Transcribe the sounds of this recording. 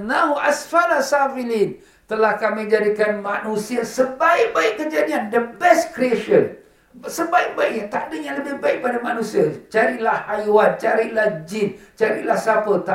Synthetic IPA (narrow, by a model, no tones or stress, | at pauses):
nãuʔasfaɾasafilin | t̪əlahkamĩd͡ʒadikanmãnũsiəsəbaɪk̚baikkːəd͡ʒadiandəbɛskɾieʃən | səbaik̚baiʔ̚ɲət̪aʔdəjaŋləbɪhbaik̚padamanũsiət͡ʃaɾiʔlahhajwant͡ʃaɾiʔlahd͡ʒint͡ʃaɾḭʔlahsapət̪a